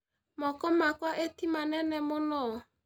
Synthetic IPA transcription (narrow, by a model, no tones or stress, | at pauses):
mɔkɔmakwaʔetimanɛnɛmʊnɔ